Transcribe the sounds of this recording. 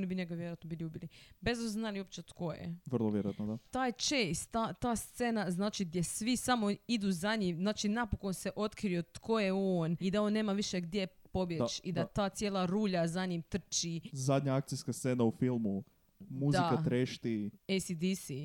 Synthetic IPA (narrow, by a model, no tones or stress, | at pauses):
onibiɲeɡaʋjeɾojat̪nobilʲuːbilibezd̪asoznaliop̚t͡ʃet̪kojḛʋr̩lˠoʋjeɾojat̪nod̪at̪aːjt͡ʃejst̪ːat̪aːst̪senaznaːt͡ʃiɡ̚d̪jesʋisamo̞id̪uzaɲimzaːt͡ʃinapoko̞nseʔo̞t̪kɾio̞t̪kʰo̞jeoːnid̪ao̞nːe̞ːmaʋiʃeɡd̪jepo̞bjet͡ʃid̪at̪aːt̪sjeːlˠaɾuːʎazaɲimt̪r̩t͡ʃizad̪ɲaak̚t̪ijskast̪seːnaufilˠmu | muzd̪iakat̪ɾeʃt̪iejsid̪isi